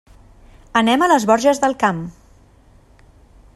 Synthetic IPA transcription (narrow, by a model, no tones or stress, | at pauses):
ənɛmələzβɔɾʒəzðəlˠkam